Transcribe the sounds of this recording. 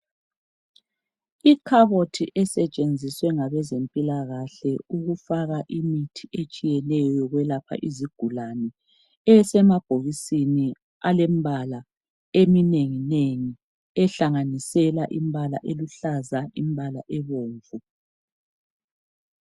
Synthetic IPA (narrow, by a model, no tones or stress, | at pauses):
ikʰaβotʰiʔɛsɛt͡ʃʼend͡zʱiswɛŋaβɛzempʼilaɣaɬɛuɣufaɣaʔimitʰiʔet͡ʃʼijɛnɛjɔɣwɛlapʰa̰ʔiziɡ̥ʱulanɛ | ɛsɛmab̥ʱoɣisini | alɛmbʱala | emineŋineŋi | ɛɬaŋanisɛlaʔimbʱala̰ʔeluɬazaimbʱalaʔɛβoːɱvu